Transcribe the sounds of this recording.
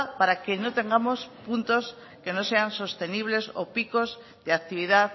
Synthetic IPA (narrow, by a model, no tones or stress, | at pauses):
paɾakenot̪e̞ŋɡamospunt̪os | kenoseanso̞st̪e̞niβ̞le̞sopikoz | ðeak̚t̪iβ̞iða